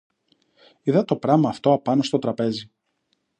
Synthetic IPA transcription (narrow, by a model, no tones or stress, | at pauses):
iðɐt̪o̞pɾɐmɐːft̪oɐpɐno̞st̪o̞t̪ɾɐpe̞zi